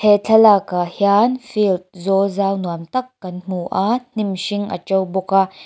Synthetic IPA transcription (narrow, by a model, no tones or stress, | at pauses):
tʰɛt͡ɬʰɐlakahjanfilt̪̚zɔzaːwnuamt̪ɐkːɐnm̥uʔan̥imʃɪŋʔa̰t͡ʃɔwbɔka